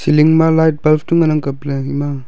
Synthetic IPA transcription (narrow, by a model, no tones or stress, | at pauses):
siliŋmalajt̚balpʰtuŋanaŋkapleima